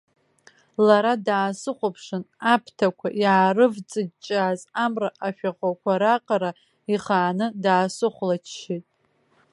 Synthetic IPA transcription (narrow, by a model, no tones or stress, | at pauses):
laɾadaːsɨχʷʊpʰʂɨnapʰtʰakʷʰaʔjaːrɨvt͡sʼɨdt͡ʃʼaːzamraʔaʃᶣaχʷakʷʰaɾaqʼaɾa | iχaːnɨdaːsɨχʷlat͡ʃʰʃitʼ